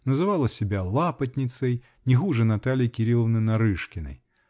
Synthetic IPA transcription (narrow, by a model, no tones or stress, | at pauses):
nɐzɨvalˠɐsʲɪbʲalˠapɐt̪ʲnʲɪt̪səj | nʲɪɣuʐɛnat̪alʲijikʲɪɾʲilˠəvnɨjnɐɾɨʂkʲɪnɐ̰j